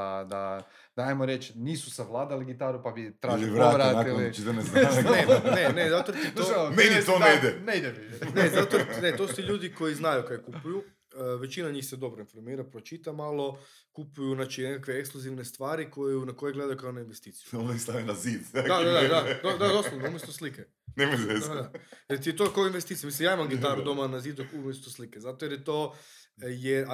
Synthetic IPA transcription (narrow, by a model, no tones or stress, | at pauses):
ad̪a | d̪aajmoɾet͡ʃniːsusaʋlˠaːd̪aliɡit̪aɾupabit̪ɾaʒɾoaʋɾat̪ilit͡ʃit̪onznenenezat̪oɾt̪it̪omenit̪oned̪enejd̪ebinezat̪onet̪o̞su̥t̪iʎuːd̪iko̞jiznajukajekupuju | ʋet͡ʃinaɲiːxsed̪o̞bɾoinfoɾmiːɾapɾo̞t͡ʃit̪amalˠo̞ | kupujuznat͡ʃinekakʋeekskluziʋne̞st̪ʋaːɾikojunakojeɡle̞d̪ajukaonainʋest̪iːt̪sijuonaist̪aʋenaziːd̪d̪ad̪ad̪ad̪ad̪od̪ad̪oslonoumjest̪oslike | nemojzead̪ajet̪iet̪okaoinʋest̪it̪imislimjaimamɡit̪aɾud̪o̞manaziːd̪okumjest̪oslikezat̪ojeɾjet̪o | je